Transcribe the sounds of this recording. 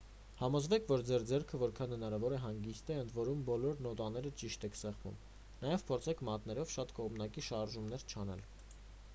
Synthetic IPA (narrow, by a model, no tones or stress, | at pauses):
hɑmɔzvɛkʰvɔɾd͡zɛɾd͡zɛɾkʰəvɔɾkʰɑnhənɑɾɑvɔɾɛɦɑŋɡist̪ɛənd̪ʰvɔɾumbɔlɔɾnɔt̪ɑnɛɾət͡ʃiʃt̪ɛkʰsɛʁvṵm | nɑjɛvpʰɔɾt͡sʰɛkʰmɑt̪nɛɾɔvʃɑt̪kɔʁmnɑkiʃɑɾʒumnɛɾt͡ʃʰɑnɛ̰l